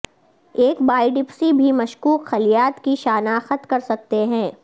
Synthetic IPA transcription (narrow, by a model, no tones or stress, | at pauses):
eːkbaːiɖɪpsibʱimɐʃkuːqxɐlijaːt̪kiʃaːnaxət̪kɐɾsɐk̚t̪eɦɛ̃ː